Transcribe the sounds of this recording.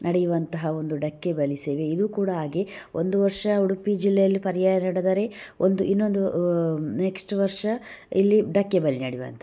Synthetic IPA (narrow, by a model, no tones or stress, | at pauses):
nʔɐɽɛjuʋɐnt̪ɐɦɐo̞nd̪uɖɐkːebɐliseːʋeid̪uːkuːɽɐɦaːɡeʔo̞nd̪uʋɐɾʂɐːɐɽupid͡ʒilːejɐlːipɐɾijaːjɐnɐɽed̪ɐːɾe̞ʔond̪uʔinːo̞nd̪uneksʈʋɐɾʂɐilːiɖɐkːebɐlinɐɽiʋɐ̰nt̪ɐ